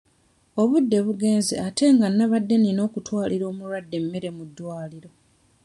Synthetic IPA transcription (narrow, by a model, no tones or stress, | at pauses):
o̞βudːe̞βuɡe̞ːnzeate̞ŋɡanːaβadːe̞nino̞ːkutwaːliɾo̞ːmuɾwadːe̞mːe̞ɾe̞mudːwaːliɾo̞